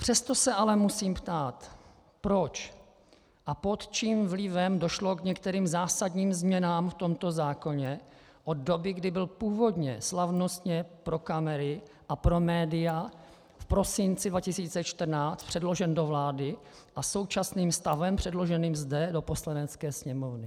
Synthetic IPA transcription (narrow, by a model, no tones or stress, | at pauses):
pr̥ɛst̪o̞sɛʔalɛmusiːmpt̪aːt̪ | pɾo̞t͡ʃ | ʔapot̪t͡ʃiːmvlɪvɛmdo̞ʃlo̞kɲɛk̚t̪ɛɾiːmzaːsadɲiːmzmɲɛnaːmft̪o̞mt̪o̞zaːko̞ɲɛ | ʔod̪do̞bɪɡdɪbɪlpuːvo̞dɲɛslavno̞st̪ɲɛpɾo̞kamɛɾɪ | ʔapɾo̞mɛːdɪja | fpɾo̞sɪnt͡sɪdvacɪsiːt͡sɛt͡ʃt̪r̩naːt͡st̪̚pr̥ɛdlo̞ʒɛndovlaːdɪ | ʔaso̞wt͡ʃasniːmst̪avɛmpr̥ɛdlo̞ʒɛniːmzdɛdo̞po̞slanɛt͡skɛːsɲɛmovnɪ